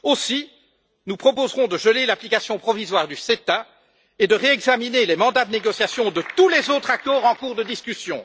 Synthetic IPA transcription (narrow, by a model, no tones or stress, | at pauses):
osi | nupχɔpozʁɔ̃d̪əʒəlelaplikasjɔ̃pχɔvizwaːʁd̪yset̪a | ed̪əʁeɛɡzaminelɛmɑ̃d̪ad̪əneɡɔsjasjɔ̃d̪ət̪ulɛzot̪χakk̪ɔʁɑ̃kuʁd̪əd̪iskʲysjɔ̰̃